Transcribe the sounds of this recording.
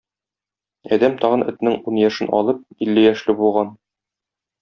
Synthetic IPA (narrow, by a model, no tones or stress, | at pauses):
ɒd̪æmt̪ɒʁɤ̆nʔɘ̆t̪nɘŋunjɒʃɘnɒ̰lˠɤp̚ilːɘjæʃlɘbulˠʁɑn